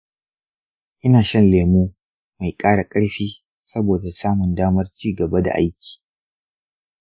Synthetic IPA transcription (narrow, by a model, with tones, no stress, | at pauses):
ʔɪ˦naː˨ʃɐ˦nleː˨muː˦ | ma˨jkʼaː˦ɽa˨kʼɐ˦ɽɸiː˦ | sɐ˦boː˨da˨saː˦mʊ˨ndaː˦mɐ˦rt͡ʃiː˦˨ɡɐ˨ba˦da̰˨ʔa̰˦jkʲi̥ː˨